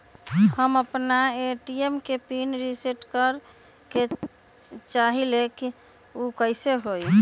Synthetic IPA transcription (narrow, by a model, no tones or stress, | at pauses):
həməpnaeʈiemkepinɾiseʈkəɾ | ke | t͡ʃaɦileki | ukəɪseɦoj